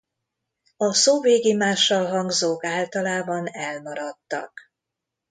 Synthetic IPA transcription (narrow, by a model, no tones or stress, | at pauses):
ɒsoːveːɡimaːʃːɒlɦɒŋɡzoːkaːlt̪ɒlaːbɒnɛlmɒɾɒt̪ːɒ̰k